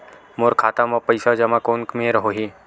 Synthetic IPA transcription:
moɾkʰaːt̪amɔpɐɪsad͡ʒɐmakoːnkmẽɾɐɦoɦiː

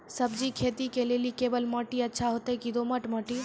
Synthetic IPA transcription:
səbd͡ʒikʰeːt̪ikelelikebəlməʈiətːʃʰaɦot̪ekid̪oməʈməʈi

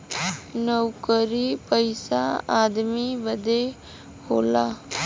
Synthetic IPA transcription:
nəwkəɾiːpəɪsa̰ːaːd̪miːbəd̪eː | hoːlaː

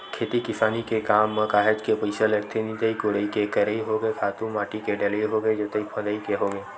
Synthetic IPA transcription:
kʰeːt̪ikɪsaːnikekaːmːɐ̃kaːɦed͡ʒkepəɪsəlɐɾt̪ʰenit̪ɐikoɽəikekɐɾəiɦoːɡekʰaːt̪ũmaːʈikeɖɐləiɦoːɡed͡ʒoːt̪ɐipʰɐ̃d̪əikeɦoːɡeː

